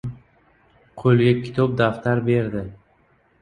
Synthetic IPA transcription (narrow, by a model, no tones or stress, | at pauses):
qʰolˠɡʲakʲʰɪ̥t̪ʰɒp̚d̪aft̪ʰaɾbe̞ɾd̪ɪ